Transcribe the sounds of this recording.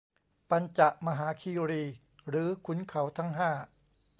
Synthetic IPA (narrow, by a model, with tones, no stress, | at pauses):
pa˧nt͡ɕa˨˩ʔma˧ɦaː˩˦kʰiː˧ɾiː˧ | ɾɯː˩˦kʰu˩˦nkʰa˩˦wt̪ʰa˦˥˩ŋɦaː˥˩